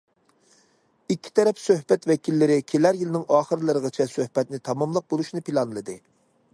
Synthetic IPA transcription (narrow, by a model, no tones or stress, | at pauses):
ikʲʰːi̥t̪ʰɛɾɛpsøhbɛt̪vɛkʲʰilːɪɾɪkʲʰelæɾjilɪnɪŋɑːχəɾlˠɨɾəʁət͡ʃʰɛsøhb̥ɛt̪nɪt̪ʰɑmɑmlˠəq̚bolˠuʃnɨpʰilˠɑnlˠɨd̪ɨ